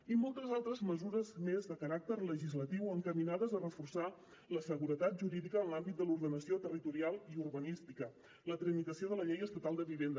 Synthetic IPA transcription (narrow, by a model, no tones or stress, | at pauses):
imɔlˠt̪əzalˠt̪ɾəzməzuɾəzmezðəkəɾak̚t̪əɾləʒizlət̪iwəŋkəminaðəzərəfursa | ləsəɣuɾət̪at̪̚ʒuɾiðikəːnlambit̪̚d̪əluɾðənəsiot̪ərit̪uɾialˠiurβənist̪ikə | lət̪ɾəmit̪əsioðələʎejəst̪ət̪alˠd̪əβiβend̪